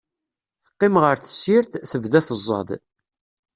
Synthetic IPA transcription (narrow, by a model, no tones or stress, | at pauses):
θə̥qːɪmʁəɾθə̥sːiɾt̪θəvðæθəzˤːɑ̰d̪